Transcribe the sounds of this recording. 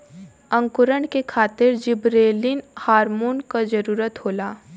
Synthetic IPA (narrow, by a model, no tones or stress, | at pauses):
ə̃ŋkʊɾəɳkekʰaːt̪ɪɾd͡ʒɪbɾeːlinhaːɾmoːnkad͡ʒəɾuːɾət̪ɦoːlaː